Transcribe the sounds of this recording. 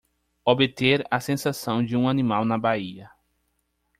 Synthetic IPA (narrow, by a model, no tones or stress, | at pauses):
obet̪eɾɐsẽsasɐ̃w̃d͡ʒɪũanĩmawnɐbaiɐ